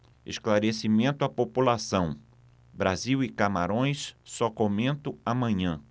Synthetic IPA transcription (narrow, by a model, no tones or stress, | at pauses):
ḛsklaɾesimẽnt̪ʊapopulasɐ̃w̃ | bɾaziwɪkama̰ɾõj̃sːɔkomẽnt̪ʊamɐ̃ɲɐ̃